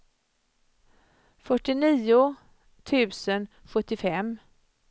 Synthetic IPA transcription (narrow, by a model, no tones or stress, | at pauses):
fœʈːɪniːʊ | t̪ʰʉ̟ːsən | ɧɵt̪ːɪfɛm